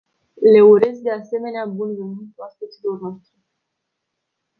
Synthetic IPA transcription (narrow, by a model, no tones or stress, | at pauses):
le̞uɾe̞zd̪e̞ase̞me̞neabunvimɨnt̪uaspusilo̞rnoast̪ɾe